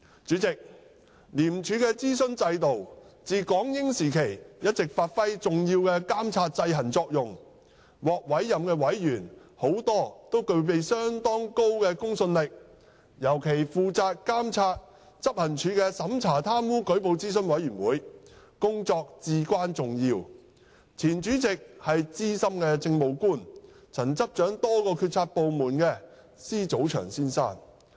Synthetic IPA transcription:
t͡ʃyː˨˥t͡sɪ˨k̚ | liː˨˩mt͡ʃʰyː˨˧˥kɛː˧t͡siː˥sɵ˥nt͡sɐ˧jt̪o˨wt͡siː˨kɔː˨˥ŋjɪ˥ŋsiː˨˩kʰe˨˩jjɐ˥t̚t͡sɪ˨k̚faː˧t̚fɐ˥jt͡sʊ˨ŋjiː˧wkɛː˧kaː˥mt͡sʰaː˧t̚t͡sɐ˧jɦɐ˨˩nt͡sɔː˧k̚jʊ˨ŋ | wɔː˨k̚wɐ˨˥jːɐ˨mkɛː˧wɐ˨˥jjyː˨˩nho˨˥wt̪ɔː˥t̪o˥wkɵ˧ɥpe˨jsœː˥ŋt̪ɔː˥ŋko˥wkɛː˧kʊ˥ŋsɵ˧nlɪ˨k̚ | jɐ˨˩wkʰe˨˩jfuː˨t͡saː˧t̚kaː˥mt͡sʰaː˧t̚ | t͡sɐ˥p̚hɐ˨˩nt͡ʃʰyː˨˧kɛː˧sɐ˨˥mt͡sʰaː˨˩t̪ʰaː˥mwuː˥kɵ˨˥ɥpo˨˧wt͡siː˥sɵ˥nwɐ˨˥jyː˨˩nwṵː˨˥j | kʊ˥ŋt͡sɔː˧k̚t͡siː˨kʷwaː˥nt͡sʊ˨ŋjiː˧w | t͡sʰiː˨˩nt͡ʃyː˨˥t͡sɪ˨k̚hɐ˨jt͡siː˥sɐ˥mkɛː˧t͡sɪ˧ŋmo˨wkuː˥˩n | t͡sʰɐ˨˩nt͡sɐ˥p̚t͡ʃœː˨˥ŋt̪ɔː˥kɔː˧kʰyː˧t̚t͡sʰaː˧t̚po˨˧wmuː˨˩nkɛː˧ | siː˥t͡so˨˥wt͡ʃʰœ̰ː˨˩ŋsiː˥nsa̰ː˥˩n

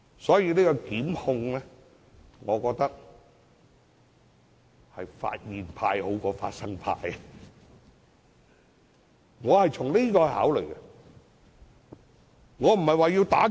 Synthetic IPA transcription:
sɔː˨˥jiː˧niː˥kɔ˧kiː˨˥mhʊ˧ŋlɛː˥ | ŋɔː˨˧kɔː˧k̚t̪ɐ˥k̚ | hɐ˨jfa̰ː˧t̚jiː˨npʰaː˧jho˨˥wkɔː˧fa̰ː˧t̚sɐ˥ŋpʰa̰ː˧j | ŋɔː˨˧hɐ˨jt͡sʰʊ˨˩ŋli˥kɔː˧ha̰ː˨˥wlɵ˨˩jkɛ˧ | ŋɔː˨˧m̩˨˩hɐ˨jwaː˨jiː˧wt̪aː˨˥

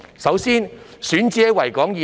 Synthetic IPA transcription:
sɐ˨˥wsiː˥nsyː˨˥nt͡siː˥ɐ˥wɐ˨˩jkɔː˨˥ŋjiː˨

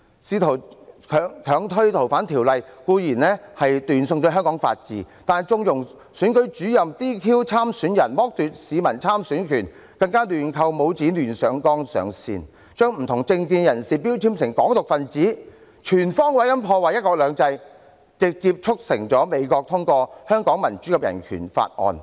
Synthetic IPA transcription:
siː˨˧t̪ʰo˨˩wkʰːŋkʰœː˨˧˥ŋt̪ʰɵ˥ɥt̪ʰo˨˩wfaː˨˥nt̪ʰi˨˩wlɐ˨jkuː˧jiː˨˩nlɛː˥hɐ˨jt̪yː˨nsʊ˧ŋt̪o˧ɦœ˥ŋkɔː˨˥ŋfa̰ː˧t̚t͡sḭː˨˧t̪aː˨nt͡sʊ˧ŋjʊ˨˩ŋ | syː˨˥nkɵ˨˥t͡ʃyː˨˥jɐ˨mt̪iː˥kʰiː˥wt͡sʰaː˥msyː˨˥njɐ˨˩nmɔː˥k̚t̪yː˨t̚siː˨˧mɐ˨˩nt͡sʰaː˥msyː˨˥nkʰyː˨˩n | kɐ˧ŋkaː˥lyː˨˩nkʰɐ˧wmo˨˧wt͡siː˨˥lyː˨˩nsœː˨˧ŋkɔː˥ŋsœ̰ː˨˧ŋsḭː˧n | t͡ʃœː˥ŋm̩˨˩t̪ʰʊ˨˩ŋt͡sɪ˧ŋkiː˧njɐ˨˩nsiː˨piː˥wt͡sʰi˥msɪ˨˩ŋkɔː˨˥ŋt̪ʊ˨k̚fɐ˨nt͡siː˨˥ | t͡ʃʰyː˨˩nfɔː˥ŋwɐ˨˥jɐ˥npʰɔː˧waː˨˩jɐ˥t̚kɔː˧k̚lœː˨˧ŋt͡sɐ˧j | t͡sɪ˨k̚t͡siː˧p̚t͡ʃʰʊ˥k̚sɪ˨˩ŋt͡sɔː˨˥me˨˧jkɔː˧k̚t̪ʰʊ˥ŋkɔː˧hœː˥ŋkɔː˨˥ŋmɐ˨˩nt͡ʃy˨˥kɐ˨˧p̚jɐ̰˨˩nkʰy̰ː˨˩nfa̰ː˧t̚ʔɔ̰ː˨˧n

